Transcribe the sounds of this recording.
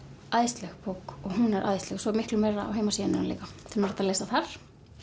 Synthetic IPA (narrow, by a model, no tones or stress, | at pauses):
aːjst̪lɛxpʰowkɔɣɦunɛɾʔaːjst̪lɛxsɔɛɾmɪhklʏmeːɾaa̰wɦeːjmasiːɪnɪɾanlḛːkat̪ʰɛlmɾɛht̪aleːjsaθaɾ̥